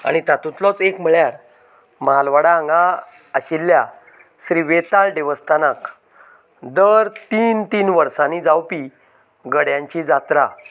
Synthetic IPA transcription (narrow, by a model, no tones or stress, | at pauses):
a̰ɽ̃it̪at̪ũt̪lɔt͡sekm̤əɭjaɾ | malʋaɽãŋɡa | əɕilːja | sɾiʋet̪alɖeʋəst̪anak | d̪əɾt̪iːnt̪iːnʋəɾsãnid͡zawpi | ɡəɽjãɲt͡ɕid͡zat̪ɾa